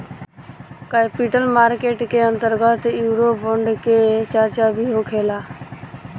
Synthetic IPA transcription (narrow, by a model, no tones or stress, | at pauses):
kapiʈəlmaːɾkeːʈkeə̃nt̪əɾɡət̪juːɾobəɳɖket͡ʃəɾt͡ʃabʱiɦokʰeːla